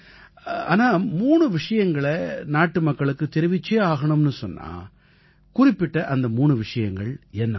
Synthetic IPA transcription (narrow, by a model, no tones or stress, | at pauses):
a̰ːnaːmuːɳɯʋɪʂɐjɐŋɡɐɭɐnaːʈːɯmɐkːɐɭɯkːɯt̪ɛɾɯʋɪt͡ʃːeːaːɣɐɳɯmnɯsɔnːa̰ː | kʊrɪpːɪʈːɐʔɐnd̪ɐmuːɳɯʋɪʂɐjɐŋɡɐɭɛnːɐ